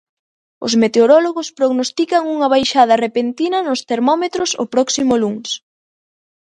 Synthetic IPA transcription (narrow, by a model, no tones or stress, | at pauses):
ʊ̰smet̪eoɾɔloɣospɾoɣnost̪ikɐŋuŋɐβ̞ajʃað̞ɐrepent̪inɐnʊst̪eɾmɔmet̪ɾoso̰pɾɔksimʊluŋs